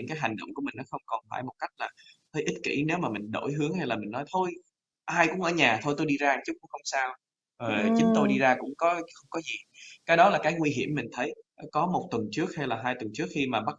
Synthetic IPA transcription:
ɨ̰˧˥ŋkaː˨˦jɦa˨˩jŋ̟ɗə̰˧˨wŋ͡mku˧˩mï˨˩ŋ̟nɔ˨˦xə˧wŋ͡mkɔ˨˩nfaː˧˩jmo˨˩t̚ka˦˥jk̟̚laː˨˩t̪ʰəː˧jʔi˦˥t̚kḭ˧˩ne˨˦wmaː˨˩mï˨˩ŋ̟ɗo̰˧˩jɦɨ˨˦əŋɦa˧jlaː˨˩mï˨˩ŋ̟nɔ˨˦jt̪ʰo˧j | ʔaː˧jkʊ̰˧˥ŋ͡mʔəː˧˩ɲaː˨˩t̪ʰo˧jt̪o˧jɗi˧zaː˧t͡ɕʊ˦˥k͡p̚kːxə˧wŋ͡msaː˧w | zo˨˩˨t͡ɕi˨˦ŋt̪o˧jɗi˧zaː˧kʊ̰˧˥ŋ͡mkɔ˨˦xə˧wŋ͡mkɔ˨˦zi˨˩kaː˨˦jɗɔ˨˦laː˨˩kaː˨˦jŋwi˧ɦi˧˩əmːi˨˩ŋ̟t̪ʰə˨˦jkɔ˨˦mo˨˩t̚t̪wə˨˩nt͡ɕɨ˦˥ək̚ha˧jlaː˨˩ɦaː˧jt̪wə˨˩nt͡ɕɨ˦˥ək̚xi˧maː˨˩ɓa˦˥

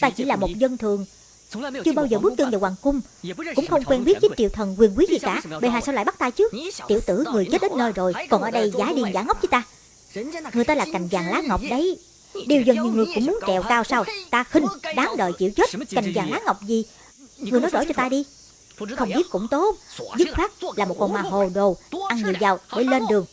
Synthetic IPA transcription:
t̪aː˧t͡ɕḭ˧˩laː˨˩mo˨˩t̚zə˧nt̪ʰɨ˨˩əŋ | t͡ɕɨ˧ɓaː˧wzəː˨˩ɓɨ˦˥k̚t̪ɨ˧ŋvaː˨˩waː˨˩kʊ˧ŋ͡m | kʊ̰˧˥ŋ͡mxə˧wŋ͡mkwɛ˧nɓi˦˥ət̚zi˨˦˥t̚t͡ɕḭ˨wt̪ʰə˨˩nkwi˨˩ənkwi˨˦zi˨˩ka̰ː˧˥˨ɓe˨˩ɦaː˨˩saː˧wa̰ː˧˨jɓa˦˥t̚t̪aː˧t͡ɕɨ˦˥k̚t̪ḭ˧˨əwt̪ɨ̰˧˩ŋɨ˨˩əjt͡ɕə˦˥t̚ɗə˨˦nːəː˧jzo˨˩jkɔ˨˩nʔəː˧˩ɗə˧jzaː˨˦ɗi˨˧˩nzaː˧˦ŋə˦˥wk͡p̚zəː˨˦t̪aː˧ | ŋ˨˩əjt̪ːlaː˨˩ka˨˩jŋ̟zaː˨˩ŋlaː˨˦ŋə˨˩wk͡p̚ɗə˨˦j | ɗi˨˩əwzə˨˩ŋɲi˧˨wŋɨ˨˩əjkʊ̰˧˥ŋ͡mmu˨˦nt͡ɕɛ˧˨˩wkaː˧wsaː˧wt̪aː˧xi˧ŋ̟ɗaː˨˦ŋɗə̰ː˧˨jt͡ɕḭ˧˩əwt͡ɕə˦˥t̚ka˨˩jŋ̟zaː˨˩ŋlaː˨˦ŋə˨˩wk͡p̚zi˨˩ | ŋŋ˨˩əjnɔ˨˦jɗo̰˧˩˦t͡ɕɔ˧t̪aː˧ɗi˧ | xə˧wŋ͡mɓi˦˥ət̚kʊ̰˧˥ŋ͡mt̪o˦˥t̚zɨ˦˥t̚faː˦˥k̚laː˨˩mo˨˩t̚kɔ˨˩maː˨˩ɦo˨˩ɗo˨˩ʔa˧ŋɲi˨˩˨əwzaː˨˩wɗḛ˧˩le˧nɗɨ˨˩əŋ

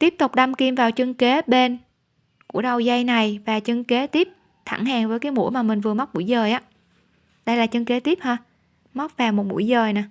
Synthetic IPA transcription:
t̪i˦˥əp̚t̪ʊ˨˩k͡p̚ɗa˧mki˧mvaː˨˩wt͡ɕɨ˧ŋke˨˦ɓe˧n | kṵ˧˩əɗə˨˩wza˧jna˨˩jvaː˨˩t͡ɕə˧ŋke˨˦t̪i˦˥əp̚ | t̪ʰa̰˧˩ŋhaː˨˩ŋvəː˨˦jkaː˨˦jmṵ˧˥maː˨˩mï˨˩ŋ̟vɨ˨˩əm˦˥k͡p̚mṵ˧˩jzəː˨˩jʔaː˨˦ | ɗə˧jlaː˨˩t͡ɕɨ˧ŋke˨˦t̪i˦˥p̚həː˧ | ma˦˥wk͡p̚vaː˨˩wmo˨˩t̚mṵ˧˥əjzəː˨˩jna˨˩

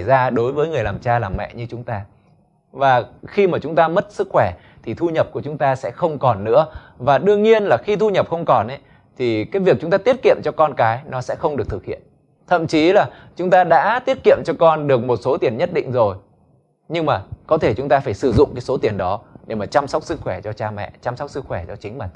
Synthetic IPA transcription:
jzaː˧ɗo˨˦jvəː˨˦jŋɨ˨˩əjlaː˨˩mt͡ɕaː˧laː˨˩mɛ̰˧˨ɲɨ˧t͡ɕʊ˨˦ŋ͡mt̪aː˧ | vaː˨˩xi˧maː˨˩t͡ɕʊ˨˦ŋ͡mt̪aː˧mə˦˥t̚sɨ˦˥k̚xwɛ˧˩ | t̪ʰi˨˩t̪ʰu˧ɲə˨˩p̚ku˧˩ət͡ɕʊ˨˦ŋ͡mt̪aː˧sɛ̰˧˥xə˧wŋ͡mkɔ˨˩nːɨ̰˧˥ə | vaː˨˩ɗɨ˧əŋɲi˧ənlaː˨˩xi˧t̪ʰu˧ɲə˨˩p̚xə˧wŋ͡mkɔ˨˩nʔɛ˨˦ | t̪ʰi˨˩kaː˨˦jvi˨˩ək̚t͡ɕʊ˨˦ŋ͡mt̪aː˧t̪i˦˥ət̚kḭ˧˨əmt͡ɕɔ˧kɔ˧nkaː˨˦jnɔ˨˦sɛ̰˧˥xə˧wŋ͡mɗək̚t̪ʰɨ˨˩k̚hḭ˧˨ən | t̪ʰə̰˧˨mt͡ɕi˨˦laː˨˩ | t͡ɕʊ˨˦ŋ͡mt̪aː˧ɗa̰ː˧˥t̪i˦˥ət̚kḭ˧˨əmt͡ɕɔ˧kɔ˧nɗɨ˨˩ək̚mo˨˩t̚so˨˦t̪i˨˩ənɲə˦˥t̚ɗḭ˧˨ŋ̟zo˨˩j | ɲɨ˧ŋmaː˨˩kɔ˨˦t̪ʰe˧˩t͡ɕʊ˨˦ŋ͡mt̪aː˧faː˧˩jsɨ˧˩zʊ̰˧˨ŋ͡mkaː˨˦jso˨˦t̪i˨˩ənɗɔ˨˦ɗe˧˩maː˨˩t͡ɕa˧msa˦˥k͡p̚sɨ˦˥k̚xwɛ˧˩t͡ɕɔ˧t͡ɕaː˧mɛ̰˧˨t͡ɕa˧mswk͡p̚sɨ˦˥k̚xwɛ˧˩t͡ɕɔ˧t͡ɕï˨˦ŋ̟ma˨˩

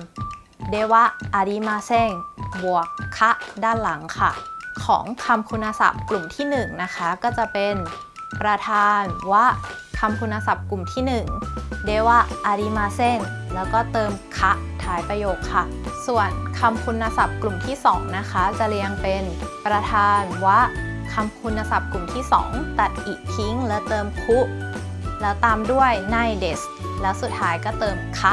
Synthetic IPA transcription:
deː˧wa˦˥˩ʔaː˧ɾiː˧˥maː˧se˥˩ŋbu˨˩əkʰːa˦˥ʔdaː˥˩nla˩˦ŋkʰa˥˩kʰɔ̰ː˩˦ŋkʰa˧mkʰu˧nːa˧sa̰˨˩p̚klu˨˩mt̪ʰiː˥˩nɯ˨˩ŋna˦˥kʰa˦˥kɔː˥˩t͡ɕa˨˩pe˧n | pɾa˧t̪ʰaː˧nwa˦˥˩ | kʰa˧mkʰu˧nːa˧sa˨˩p̚klu˨˩mt̪ʰiː˥˩nɯ˨˩ŋdeː˧wa˦˧˥ʔa˧ɾiː˧˥maː˧se˥˩ŋ | lɛː˦˥wkɔː˥˩t̪ɤː˧mkʰa˦˥ʔt̪ʰaː˩˦jpɾa˧joː˨˩k̚ʰːa˥˩ | su˨˩ənkʰa˧mkʰu˧nːa˧sa˨˩p̚klu˨˩mt̪ʰiː˥˩sɔː˩˦ŋna˦˥kʰa˦˥t͡ɕa˨˩li˧əŋpe˧npɾa˧t̪ʰaː˧nwaː˥˩kʰa˧mkʰu˧nːa˧sa˨˩p̚ku˨˩mt̪ʰiː˥˩sɔ̰ː˩˦ŋt̪a˨˩t̪̚ʔiː˨˩k̚kʰi˦˥ŋlɛː˦˥wt̪ɤː˧mkʰu˦˥ | lɛː˦˥wt̪aː˧mdu˥˩əjna˧jde˨˩s | lɛː˦˥wsu˨˩t̪̚ʰːaː˦˥jkɔː˥˩t̪ɤː˧mkʰa˦˥

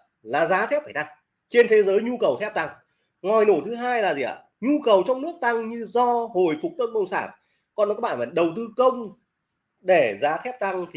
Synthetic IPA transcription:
laː˨˩zaː˨˦t̪ʰɛ˦˥p̚faː˧˩jt̪a˧ŋ | t͡ɕe˧nt̪ʰe˨˦zəː˨˦jɲu˧kə˨˩wt̪ʰɛ˦˥p̚t̪a˧ŋ | ŋɔ˨˩jno˧˩t̪ʰɨ˨˦ɦaː˧jlaː˨˩zi˨˩ʔa̰ː˧˨˩ | ɲu˧kə˨˩wt͡ɕɔ˧wŋ͡mnɨ˦˥ək̚t̪a˧ŋɲɨ˧zɔ˧ho˨˩jfʊ˨˩k͡p̚t̪oː˦˥n̚ɓə˧wŋ͡msaː˧˩n | kɔ˧nɔ˨˦kːa˦˥ɓaː˧˨maː˨˩ɗə˨˩wt̪ɨ˧kə˧wŋ͡m | ɗe˧˩zaː˨˦t̪ʰɛ˦˥p̚t̪a˧ŋt̪ʰi˨

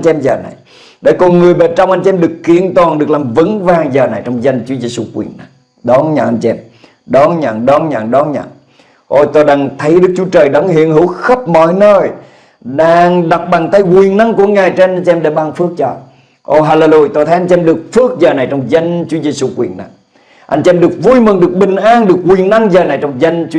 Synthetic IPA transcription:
nt͡ɕːɛ˧mzəː˨˩na̰˨˩j | ɗḛ˧˩kɔ˧˩nŋɨ˨˩əjɓe˨˩t͡ɕɔ˧wŋ͡mʔa˧nt͡ɕɛ˧ɛ˧mɗɨ˨˩əkːi˧˨ənt̪waː˨˩nɗɨ˨˩ək̚laː˨˩mvə˨˦nvaː˧˩ŋzəː˨˩na˨˩jt͡ɕɔ˧wŋ͡mzə˧jŋt͡ɕu˨˦əze˧su˧kwḭ˨˩əna˨˩j | ɗɔ˨˦nɲa̰ː˧˩ʔa˧jnt͡ɕɛ˧m | ɗɔ˨˦ɲa̰˧˩ŋɗɔ˨˦nɲa̰ː˧˩ŋɗɔ˨˦nɲə̰˧˨n | ʔo˧˩jt̪o˧jɗaː˧ŋt̪ʰə˨˦jɗɨ˦˥k̚t͡ɕu˨˦ət͡ɕəː˨˩jɗɔ˨˦ŋhḭ˧˨ənhɨ˧˩˦wxə˦˥p̚mɔ̰˧˨jnəː˧˩j | ɗaː˧ŋɗa˨˩wk͡p̚ɓa˨˩ŋt̪a˧jkwi˨˩ənna˧ŋku˧˩˦əŋaː˨˩jt͡ɕa˧ɲt͡ɕʔɛ˧mɗe˨˧˩ɓaː˧˩nfɨ˦˥ək̚t͡ɕɔ˧˩ | ʔo˧˩ɦaː˧le˧lu˧jt̪o˧jt̪ʰə˨˦ʔa˧n̟t͡ɕʔɛ˧mɗɨ˨˩ək̚fɨ˦˥ək̚zəː˨˩na˨˩jt͡ɕɔ˧wŋ͡mzə˧ŋt͡ɕu˨˦ze˧su˧kwḭ˨˩ənna̰˧ŋ | ʔa˧jŋ̟t͡ɕɛ˧mɗɨ˨˩ək̚vu˧jmɨ˨˩ŋɗɨ˨˩ək̚ɓï˨˩ŋ̟ʔaː˧nɗɨ˨˩ək̚ːwi˨˩ənna˧ŋzəː˨˩na˨˩jt͡ɕɔ˧wŋ͡mzə˧ŋt͡ɕ

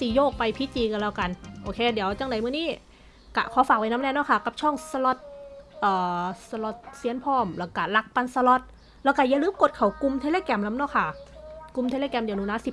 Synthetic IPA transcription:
siː˨˩joː˥˩k̚pa˧jpʰi˦˥t͡ɕiː˧ka˧la˧˩wka˧nʔoː˧kʰeː˧di˨˩˦əwt͡ɕa˧˩ŋna˨˦jmɯ˧˥˩niː˥˩ | ka̰˧˩kʰɔː˨˦faː˨˩k̚wa˧jna˦˥mnɛː˧nɔ˧˥˩kʰa˥˩ka˨˩p̚t͡ɕʰɔ˧˥˩ŋsa˧lɔ˧˥t̪̚ʔɤː˨˩sa˧lɔ˧˩t̪̚siː˨˦˥ənpʰɔː˧˥˩mlɛ˧˩wka˧˩la˧˩k̚pa˧nsa˧lɔ˧˥t̪̚ | lɛː˦˧˩wka˧˩ja˧˩ŋlɯː˦˥mko˨˩t̪̚kʰa˨˩wku˧mt̪ʰeː˧leː˧˨kɛː˧mla˦˥mnɔ˧˥˩kʰa˧˩ku˧mt̪ʰe˧leː˧kɛː˧mdnuː˧˦naː˦˧˥si˨˩

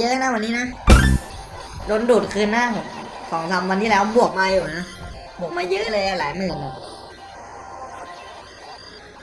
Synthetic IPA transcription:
jɤː˦˥ʔna˦˥˩wa˧nːiː˦˥na˦˥ | do˧nduː˨˩t̪̚kʰɯː˧nːaː˦˥˩pʰo˩˦m | sɔː˩˦ŋsʰa˧mwa˧nt̪ʰiː˥˧˩lɛː˦˥˩wbu˨˩ək̚ma˧juː˨˩na˦˥ | pʰo˨˦mːaː˥˩jɯː˦˥˩lɤː˧jlaː˧˩laː˩˦jmɯː˧˩nɔ˨˩

